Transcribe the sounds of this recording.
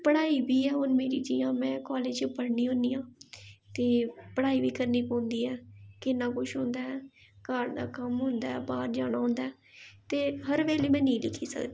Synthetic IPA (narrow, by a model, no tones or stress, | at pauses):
pəɽaːiːbiːɛːʊnmeːɾiːd͡ʒijãːmɛ̃ːkaːleːd͡ʒpəɽniːɦõːniːãːt̪eːpəɽaːiːbiːkəɾniːpãːnd̪iːɛːkɪnːãːkʊʃʰɦõːnd̪aːɛːkaːʈd̪a̰ːkəmɦʊ̃ːnd̪aːɛːbaːɾd͡ʒaːɽ̃aːɦõːnd̪aːɛː | t̪eːɦəɾʋeːleːmɛ̃ːnĩːlɪkʰiːsə̰kd̪i